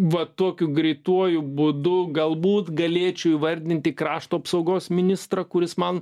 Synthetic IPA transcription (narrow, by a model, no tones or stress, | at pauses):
ʋɐt̪uɔkʲʊɡɾʲɛɪt̪uɔjʊbʊd̪ʊɡɐlˠbuːt̪ɡɐlʲeːt͡ʃʲɛʊiːʋɐrʲd̪ʲɪnʲt̪ʲɪkɾɑːʃt̪uːɐpsɐʊɡoːsmʲɪnʲɪst̪rɐkʊɾʲɪsmɐn